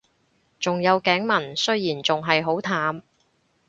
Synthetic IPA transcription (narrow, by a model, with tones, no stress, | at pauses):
t͡sʊ˨ŋjɐ˨˧wkɛː˨˥ŋmɐ˨˩nsɵ˥ɥjiː˨˩nt͡sʊ˨ŋɦɐ˨jɦo˨˥wt̪ʰaː˨˥m